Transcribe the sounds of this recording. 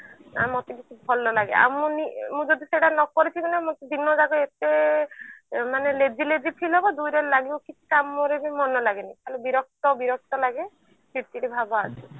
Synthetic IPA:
a̰mɔt̪ekit͡ʃʰibʱɔlːɔlaɡḛa̰mũnimũd͡ʒɔd̪iseɽanɔkɔɾit͡ʃʰikunamot̪ed̪inɔd͡ʒaɡɔet̪e | maneled͡ʒiled͡ʒipʰilɦebɔd̪ujɾelaɡibɔkit͡ʃʰi̥kamɔɾebimɔnɔlaɡenajk̪ʰalubiɾɔk̚t̪ɔbiɾɔk̚t̪ɔlaɡe | piʈt͡ʃiʈibʱabɔasʰi

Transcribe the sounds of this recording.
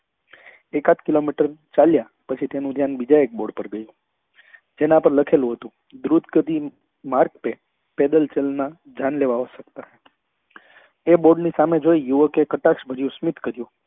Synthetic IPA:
ekat̪kilomiʈəɾt͡ʃalja | pət͡ʃʰit̪enũd̪ʱjanbid͡ʒaek̚boɖpəɾɡəjũ | d͡ʒenãpəɾləkʰelũɦət̪ũ | d̪ɾud̪ɡəd̪i | maɾk̚pe | ped̪əlt͡ʃelna | d͡ʒʱjanleʋaɦoʃək̚t̪a | eboɖnisamed͡ʒoijuʋəkekəʈakʃbʱəɾjũsmit̪kəɾjũ

